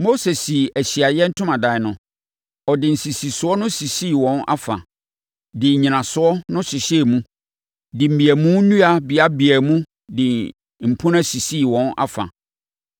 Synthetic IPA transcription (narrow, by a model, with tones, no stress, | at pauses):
mo˦se˨si˨æ˨ɕi˨a˨jɛ̃˦n̩˦tʰʊ̃˦mã˨dã˨nʊ̃˨ | ɔ˨dɪ˨n̩˨si˨si˨sʊ˨˦ɔ˦nʊ̃˦si˨si˦˨wɔ̃˦na̰˦fa̰˨ | dɪ˨ɲĩ˨nã˨sʊ˨˦ɔ˦nʊ̃˦ɕɪ˨ɕɛ˦˨mũ˦ | dɪ˨m̩˨bi˨æ˨mũ˦nũ˦a˨bɪ˨a˦bi˨æ˨mũ˦ | dɪ˨ | m̩˨pʰʊ̃˦nã˦si˨si˦˨wɔ̃˦na̰˦fa̰˨